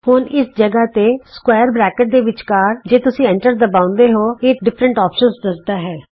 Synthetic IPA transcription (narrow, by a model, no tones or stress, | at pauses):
hʊnɪsd͡ʒəɡaːt̪eːskwaːjəɾbɾɛːkəʈ̚d̪eːʋɪt͡ʃkaːɾd͡ʒeːt̪ʊsĩːɛ̃ːɳʈəɾd̪əbãːʊ̃nd̪eːɦoːeːɖɪpʰɾəɳʈaːpʃənsd̪əɾd̪aːɦɛː